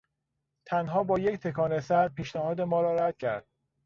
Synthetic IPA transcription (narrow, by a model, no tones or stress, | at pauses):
t̪ʰænɦɒːbɒːje̞ct̪ʰe̞kʰɒːnesæɾpʰiːʃnæhɒːd̪e̞mɒːɾɒːɾæd̪̥̚cʰæ̰ɾd̪̥̚